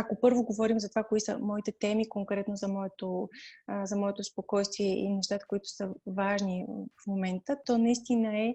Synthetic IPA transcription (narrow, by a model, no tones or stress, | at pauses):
akopɤɾvoɡovɔɾimzɐt̪ovakoisə̰mɔit̪ɛt̪ɛmikoŋkɾɛt̪nozɐmɔɛt̪o | zɐmɔɛt̪ospokɔjst̪viɛḭnɛʃt̪at̪ə̥koit̪ʊ̥səvaʒnifmomɛnt̪ət̪ɔnɐist̪inəɛ